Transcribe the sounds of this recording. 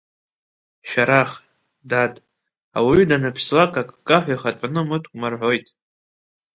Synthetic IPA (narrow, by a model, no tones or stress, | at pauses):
ʃᶣaɾaχ | datʼ | awidanɨpʰslakʼakʼkʼaħʷajχatʷʼnɨmɨtʰʼkʼmarħʷo̞jtʼ